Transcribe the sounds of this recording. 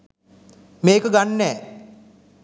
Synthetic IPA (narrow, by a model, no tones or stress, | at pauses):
meːkəɡanːɛː